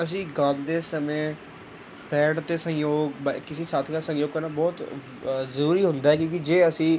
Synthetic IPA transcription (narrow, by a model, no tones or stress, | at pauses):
əs̬ĩːɡəld̪eːsəmẽː | pɛːɽt̪eːsə̃joːɡbkɪsiːsaːt̪ʰkaːsə̃ŋjoːɡkanãːbɔːt̪ | zəɾuːɾiːɦʊnd̪aːɦɛːkjõːkid͡ʒeːəsĩː